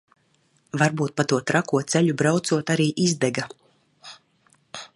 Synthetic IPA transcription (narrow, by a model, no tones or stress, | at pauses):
vaɾbuːt̪̚pat̪uɔt̪ɾakuɔt̪sɛʎʲubɾawt̪suɔt̪aɾiːʔizd̪ɛɡa